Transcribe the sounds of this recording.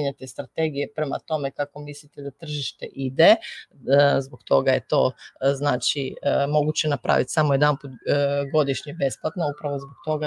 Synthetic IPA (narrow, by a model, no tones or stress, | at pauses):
ɲat̪est̪ɾat̪e̞ɡijepɾema̰t̪o̞mekako̞mislit̪ed̪at̪r̩ʒiʃt̪ḛʔid̪e | zbokt̪o̞ɡaje̞t̪o̞̰znaːt͡ʃimo̞ɡut͡ɕenapɾa̰ːʋit̪samojed̪anput̪ɡo̞d̪iʃɲebe̞splˠat̪naupɾaʋo̞zbokt̪o̞ɡa